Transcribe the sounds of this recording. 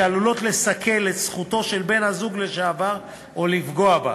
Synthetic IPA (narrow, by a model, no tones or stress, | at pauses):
alulo̞tle̞sakʰe̞letsχuto̞ʃe̞lbe̞nhazuɡleʃeavaʁ | olifɡo̞aba̰